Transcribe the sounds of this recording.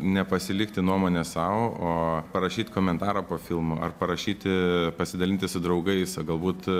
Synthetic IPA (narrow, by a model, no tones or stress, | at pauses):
nʲɛpɐsʲɪlʲɪkt̪ʲɪnuɔmoːnʲɛsɑʋooːpɐɾɐʃʲiːt̪ʲkoːmʲɛnt̪ɑːɾɐpoːfʲɪlˠmoɐ̰rpɐɾɐʃʲiːt̪ʲɪpɐsʲɪd̪ɐlʲɪnt̪ʲɪsʊd̪ɾɐʊɡɐɪsɡɐlˠbuːt̪